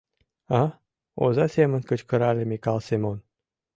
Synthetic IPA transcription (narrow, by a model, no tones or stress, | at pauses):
ɑ | o̰zɑsemə̆nʲkət͡ɕkəɾɑlʲemikɑlsemon